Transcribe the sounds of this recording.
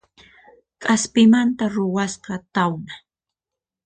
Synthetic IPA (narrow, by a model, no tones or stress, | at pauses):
kʼaspɪmant̪aɾʊwasqɑt̪awna